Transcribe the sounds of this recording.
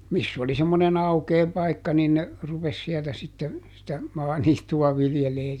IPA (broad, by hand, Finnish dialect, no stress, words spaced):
misː oli semːonen ɑukeː pɑikːɑ niːn ne rupes siɛltæ sitːe sitæ mɑːniːtːuɑ ʋiljeleː